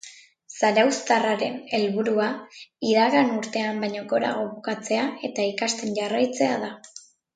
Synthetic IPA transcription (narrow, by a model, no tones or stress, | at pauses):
saɾawst̪araɾe̞̰ne̞lβuɾuaiðaɣanuɾt̪e̞ambajɲo̞ko̞ɾa̰ɣ̞o̞βukat͡se̞ae̞t̪aikast̪e̞nʝarajt͡se̞aða